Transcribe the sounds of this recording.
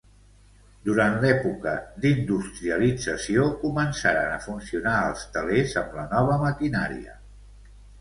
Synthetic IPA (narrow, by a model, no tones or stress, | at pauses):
d̪uɾant̪lɛpukəd̪ind̪ust̪ɾiəlid͡zəsiokumənsaɾənəfunsiunaəlˠst̪əlezəmlənɔβ̞əməkinaɾḭə̰